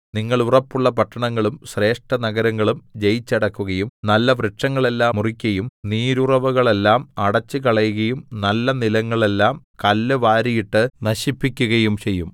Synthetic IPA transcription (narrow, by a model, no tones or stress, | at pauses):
niŋːɐɭurɐpːuɭːɐpɐʈːɐɳɐŋːɐɭumɕre̞ːʂʈɐnɐɣɐɾɐŋːɐɭumd͡ʑejit͡ɕːɐɽɐkːuɣɐjumnɐlːɐʋreʈʂɐŋːɐɭe̞lːaːmurikʲːɐjumniːɾurɐʋuɣɐɭe̞lːaːmɐɽɐt͡ɕːɨkɐɭɐjuɣɐjumnɐlːɐnilɐŋːɐɭe̞lːaːm | kɐlːɨʋaːɾijiʈːɨnɐɕipːikʲːuɣɐjumt͡ɕe̞jːum